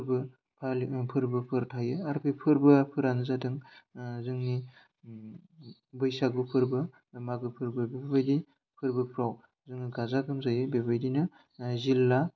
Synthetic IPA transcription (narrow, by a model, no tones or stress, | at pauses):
pʰɯɾbɯ | pʰalpʰɯɾbɯpʰɯɾtʰajɯaɾpʰepʰɯɾbɯpʰɯɾanɯzadɯŋzɯŋni | bɯjsaɡupʰɯɾbɯ | maɡɯpʰɯɾbɯbebebajdi | pʰɯɾbɯpʰɾaw | zɯŋniɡazaɡɯmzajɯbebajdinɯ | zilːa